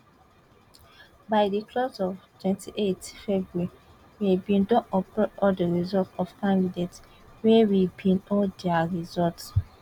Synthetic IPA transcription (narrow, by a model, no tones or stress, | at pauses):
baɪdikʰlɔsɔvtʰwɛ̃ntʰiʔetfɛbɹui | webĩndɔ̃nɔpɔɔdəɹizɔtɔfkãndidet | wɛwibĩnɔdɛaɹizɔlt